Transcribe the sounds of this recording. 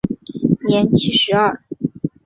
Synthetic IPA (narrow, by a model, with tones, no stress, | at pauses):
njɛ˧˥nt͡ɕʰi˥˩ʂɻ̩˧˥ɐ˥˩